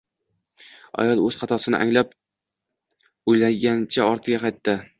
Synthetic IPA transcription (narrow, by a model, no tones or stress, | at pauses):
a̰jɒlˠɵz̥qɑt̪ʰɒsɪnɪ̰ʔa̰ŋlap | ojlaŋɡʲant͡ʃʰaɒɾt̪ʰɪɡʲaqʰɑjt̪ːɪ